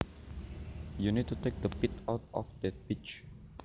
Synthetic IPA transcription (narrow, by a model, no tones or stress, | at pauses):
junid̚tutʰek̚d̪əpitʰɔʊtɔ̰fd̪ɛt̚bit͡ʃ